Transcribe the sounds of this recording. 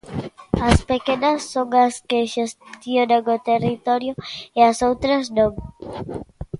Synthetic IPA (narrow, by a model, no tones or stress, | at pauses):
ɐspekenɐsːoŋaskeʃest̪jonaŋot̪erit̪ɔɾjoeɐsowt̪ɾɐznõŋ